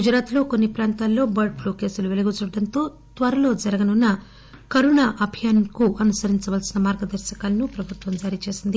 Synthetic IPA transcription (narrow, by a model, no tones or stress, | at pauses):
ɡud͡ʒɾaːt̪lo̞ːkonːipɾaːnt̪aːlːo̞ːbɐɾɖ̚pluːke̞ːsuluʋeliɡut͡ʃuɽɖɐnt̪o̞ː | t̪ʋɐɾɐlo̞ːd͡ʒɐɾɐɡɐnunːɐ | kɐɾuɳaːʔɐbʱijaːnkuʔɐnusɐɾiɲt͡ʃɐʋɐlsinɐmaːɾɡɐd̪ɐɾʃɐkaːlɐnupɾɐbʱut̪ʋɐmd͡ʒaːɾiːt͡ʃe̞ːsind̪i